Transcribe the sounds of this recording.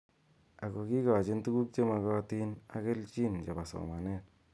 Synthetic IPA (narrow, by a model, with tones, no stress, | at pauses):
a˨ko˨ki˦kɔ˨t͡ʃɪ˦ntu˦ku˦k̚t͡ʃe˦ma˨˧kɔ˦ti˦na̰˦kɪ˦lt͡ʃi˦nt͡ʃe˨pa˨so̰˨ma˨nɛ˦t